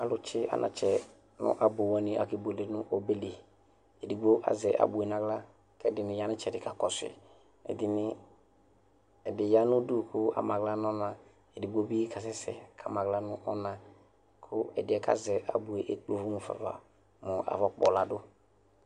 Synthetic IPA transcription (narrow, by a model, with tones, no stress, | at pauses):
a˨lʊ˨t͡ʃɪ˦a̰˨nʔã̰˨t͡ʃɛ˨ | nʊ̰̃˦ʔa˨bo˨wɔ˦nɪ̃˦ʔa˨ki˨bo˨le˨nʊ˦ʔo˦be˦le˨ | e˨di˨ɡ͡bo˦ʔa̰˨zɛ˨ʔa̰˨bu˨e˨nã˨ɡla˦ | kɛ˦dɪ˨nɪ̃˨ja˦nɪ̃˦t͡ʃɛ˨dɪ˨ka˨kɔ˨sɪ̰˨ | ɛ̰˨dɪ˨nɪ˦ | ɛ˨dɪ˨ja˦nʊ̃˦du˦˨kʰʊ˦a̰˨mã˨ɡla˦n˦ɔ˦nã˨ | e˨di˨ɡ͡bo˦bi˦kʰa˨s̬ɪ˦sɛ˨kʰa˨mã˨ɡla˦nʊ̃˦ʔɔ˦nã˨ | kʰʊ˦ɛ˨dɪ˨ɛ˨ka̰˦zɛ˨ʔa̰˨bu˨e˨ʔe˦k͡plo˨vʊ˦mʊ̃˨fa̰˨va̰˨ | mʊ̃˨ʔa̰˨vɔ˦k͡pɔ˨la˨dʊ˦